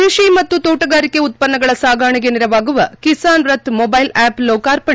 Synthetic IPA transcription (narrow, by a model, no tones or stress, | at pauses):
iʂimɐt̪ːut̪oːʈɐɡaːɾikːeut̪̚pɐnːɐɡɐɭɐsaːɡʱaːɳiɡeniɾɐʋaːɡuʋɐkisaːnɾɐt̪mɔbɐjlaːplɔːkaːɾpɐɳi